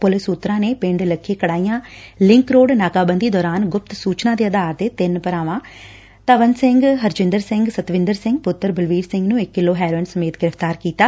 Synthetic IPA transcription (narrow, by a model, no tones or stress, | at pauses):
pʊlɪsut̪ːɾãːneːpɪ̃ːɳɖeləkʰːeːkəɽaːijãːlɪ̃ŋkɾoːɽnaːkaːbənd̪iːd̪ɔːɾaːnɡʊp̚t̪suːt͡ʃnãːd̪eːəd̪aːɾt̪eːt̪ɪnpəɾaːʋãː | t̪əʋənsɪ̃ŋɡɦəɾd͡ʒɪ̃nd̪əɾsɪ̃ŋɡsət̪ʋɪ̃nd̪əɾsɪŋɡ̚pʊt̪ːəɾbəlʋiːɾsɪ̃ŋɡnũːɪkːɪlːoːɦɛːɾoːɪnsəmeːt̪ɡɪɾəft̪aːɾkiːt̪aː